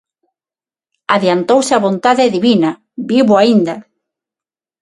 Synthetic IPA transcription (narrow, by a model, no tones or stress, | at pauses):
aðjant̪owsɪaβont̪aðeðiβinɐ | biβʊaind̪ɐ